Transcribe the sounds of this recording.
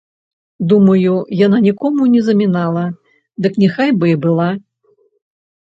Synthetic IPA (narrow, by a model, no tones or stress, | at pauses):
d̪umɐjujananʲikɔmunʲɛzɐmʲinalˠɐ | d̪ɨknʲɛxajbɨbɨlˠa